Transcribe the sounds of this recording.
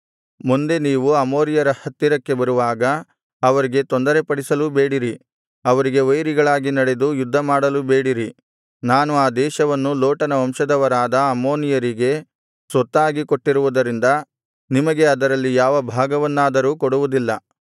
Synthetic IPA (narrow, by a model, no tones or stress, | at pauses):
mund̪e̞niːʋuɐmoːɾijɐɾɐhɐt̪ːiɾɐkːe̞bɐɾuʋaːɡɐ | ɐʋɐɾiɡe̞t̪ond̪ɐɾe̞pɐɽisɐlube̞ːɽiɾi | ɐʋɐɾiɡe̞ʋɐjɾiɡɐɭaːɡinɐɽe̞d̪ujud̪ʱːɐmaːɽɐlube̞ːɽiɾi | naːnuaːd̪ɛːʃɐʋɐnːuloːʈɐnɐʋɐmʃɐd̪ɐʋɐɾaːd̪ɐɐmo̞ːnijɐɾiɡe̞ | sʋɔt̪ːaːɡikoʈːiɾuʋud̪ɐɾind̪ɐ | nimɐɡe̞ɐd̪ɐɾɐlːijaːʋɐbʱaːɡɐʋɐnːaːd̪ɐɾuːkoɽuʋud̪ilːɐ